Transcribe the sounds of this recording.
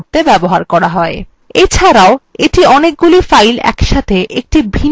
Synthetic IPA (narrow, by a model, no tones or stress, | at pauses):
ɾt̪ebɛboɦaɾkɔɾaɦɔe | et͡ɕʰaɾaoeʈiɔnek̚ɡulifajlɛ̰kʃat̪ʰeʔek̚ʈibʱin